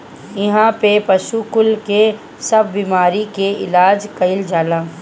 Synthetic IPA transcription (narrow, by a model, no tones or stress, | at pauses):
ɪɦãpepɐʃukʊlke | sɐbːiːmaːɾikeɪ̰laːd͡ʒkɐɪld͡ʒaːlãː